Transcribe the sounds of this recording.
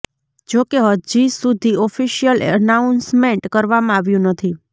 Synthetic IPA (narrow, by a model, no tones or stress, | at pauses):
d͡ʒokeɦəd͡ʒisud̪ʱiɔfiʃijələnaunsmẽɳʈkəɾʋamãaʋjũnət̪ʰi